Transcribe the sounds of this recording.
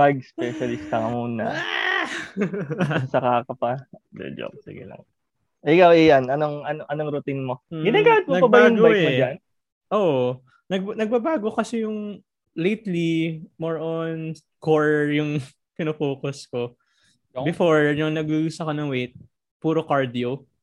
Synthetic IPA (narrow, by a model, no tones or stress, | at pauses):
mɐɡ̚spɛʃɐlɪst̪ɐŋɐmunɐ̰ | sɐkaːkɐpɐd̪ɛ̰d͡ʒo̰p̚sɪ̰ɡɪ̰lɐ̰ŋ | ʔɪkawɛjanʔɐnoŋʔɐnoʔɐnoŋɾʊt̪inmoɪnɐɡaɐt̪̚mnɐɡɐbaːʊɡobaɛd͡ʒan | ʔoːʔo | nɐɡ̚nɐɡ̚babaːɡokɐsɛjʊŋ | lejt̪limoɹʔon | koɹjʊŋ | pɪnofoːkʊsko | bɪfoɹjʊŋnɐɡujusɐkonɐŋwejt̪̚ | puːɾokaɹd̪io